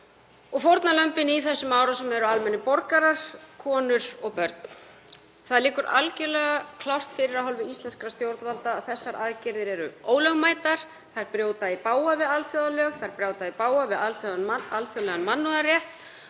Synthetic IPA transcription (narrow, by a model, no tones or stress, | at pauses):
ɔɣfowɾt̪nalœmpɪniθɛsːʏmaːwɾasɛmɛɾʏalmɛnːɪpɔɾkaɾaɾ̥kʰɔːnʏɾ̥ɔɣpœɾt̪n | θaðliːkʏɾa̰lcɛlɛɣakʰlawr̥t̪fɪɾɪɾaɦɔlvɪist̪ɛnskɾast̪jowɾt̪valt̪aːθɛsːaɾaðcɪɾðɪɾɛɾʏoːwlœɣmaːjt̪aɾ̥ | θajɾpɾjoːwt̪aipaːwavɪðalfjowðalœːɣθajɾpɾjaːwt̪aðipaːwavɪðalfjoðnalfjolɛɣanmanːuðarjɛht̪